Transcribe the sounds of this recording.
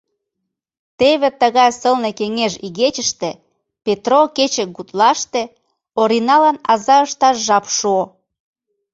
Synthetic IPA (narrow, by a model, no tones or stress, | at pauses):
t̪eβĕt̪əɣɑjsəlnekeŋeʒiɣet͡ɕə̆ʃt̪ĕ | pet̪roket͡ɕə̆k̚ɡut̪lɑʃt̪ĕ | oɾinɑlɑnɑzɑəʃt̪ɑʃʒɑpʃuo